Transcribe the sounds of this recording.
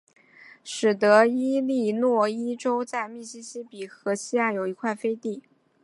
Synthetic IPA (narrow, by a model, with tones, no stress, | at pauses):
ʂɻ̩˨˩t̪ɤ˧˥i˥li˥˧nwɔ˥˩i˥ʈ͡ʂo˥ʊt͡sa˥˧ɪmi˥˩ɕi˥ɕi˥pi˨˩xɤ˧˥ɕi˥ja˥˩jo˨˩ʊi˧˥kʰwa˥˩ɪfe˥ɪt̪i˥˩